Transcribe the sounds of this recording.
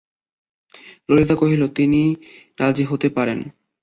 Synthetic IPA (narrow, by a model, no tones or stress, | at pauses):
lolit̪akoɦilot̪ini | ɾʔad͡ʑiɦot̪epaɾen